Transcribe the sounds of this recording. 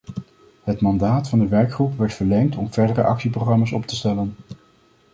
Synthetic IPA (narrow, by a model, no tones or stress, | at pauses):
ɦətmɑndaːtfɑndəʋɛɹkχrupʋɛɹtfəɹlɛŋtʰɔmv̥ɛɹdərə̰ʔɑ̰ksiproχrɑmasɔptəstɛlən